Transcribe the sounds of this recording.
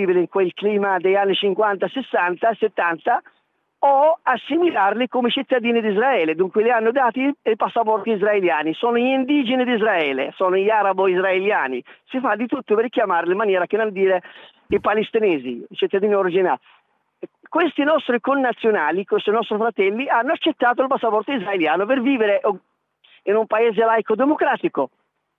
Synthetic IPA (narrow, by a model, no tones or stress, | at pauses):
ibileiŋkwelkliːmad̪ejanːit͡ʃiŋkwant̪asɪsːant̪aset̪ːant̪a | ɔasːimilarlikomet͡ʃit̪ːad̪iːnid̪izɾaɛːled̪uŋkwelɪanːod̪aːt̪ieipasːap̬ɔrt̪iizɾaeljaːnisɔːnoind̪iːd͡ʒinid̪izɾaɛːlḛsɔːnoʎiaɾaboizɾaeljaːnḭsifad̪ːit̪ut̪ːoperkjamaːɾlɪmːanjɛːɾakɪnond̪iːɾe | ipalist̪inɛːzḭit͡ʃit̪ːad̪iːnioɾid͡ʒina̰ː | kwest̪inɔst̪ɾikonːat̪sːjonaːlikwest̪inɔst̪ɾifɾat̪ɛlːianːʊat͡ʃːet̪ːaːt̪̬oilp̬asːapɔrt̪oizɾaeljaːnoperviːveɾeʔ | inumpaeːzelajkod̪emokɾaːt̪iko